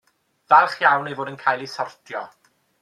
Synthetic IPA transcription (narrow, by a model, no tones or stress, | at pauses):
vɛlˠχjawnejvoːdənkʰaːjlˠisɔrtʰjɔ